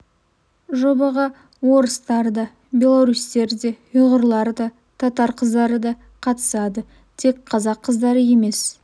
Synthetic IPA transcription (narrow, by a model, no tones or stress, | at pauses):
ʒo̞bɑʁɑ | wo̞ɾəst̪ɑɾd̪ɑ | bʲe̞lˠoɾust̪e̞ɾd̪e̞ | ʊʁəɾlˠɑɾd̪ɑ | t̪ʰɑt̪ɑɾqʰəzd̪ɑɾəd̪ɑ | qʰɑt̪ə̥sɑd̪ə | t̪ʰe̞k̚ʲqʰɑzɑqʰːəzd̪ɑɾəje̞me̞s